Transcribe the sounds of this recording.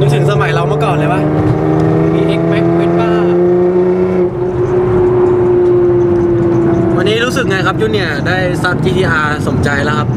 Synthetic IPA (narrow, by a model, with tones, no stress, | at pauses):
uː˧˦˥tʰɯ˨˩˦ŋsa˧ma˨˩˦jla˧wma˧˩kɔ˨˩lɤː˧jba˧˩˧ | miː˧ʔe˧˩k̚me˦˧˥k̚me˧˥n̚waː˧˩a˧ | wa˧nːiː˦˥ɾuː˦˥sɯ˨˩k̚ŋa˧jkʰa˦˥p̚ju˦˥ni˧˩ɐdaː˥˩jsa˧˦˥p̚t͡ɕiː˧t̪ʰiː˧ʔaː˧so˨˩˦mt͡ɕa˧jla˦˥kʰa˦˥p̚